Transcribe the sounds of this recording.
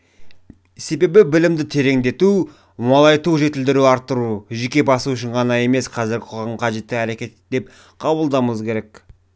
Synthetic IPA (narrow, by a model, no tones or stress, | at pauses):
se̞be̞bɪbɪlɪmd̪ɪt̪ʰe̞ɾe̞ŋd̪e̞t̪u | mɑlˠɑjt̪uʒe̞t̪ɪld̪ɪɾuɑɾt̪ːəɾuʒe̞kʲe̞bɑsuʊʃɪɴqʰɑnɑje̞me̞sqʰɑzɪɾɡʲɪqʰoʁɑɴqʰɑʒe̞t̪ːɪæɾe̞kʲe̞t̪d̪e̞p̚ | qʰɑbəlˠd̪ɑməzkʲʰe̞ɾe̞k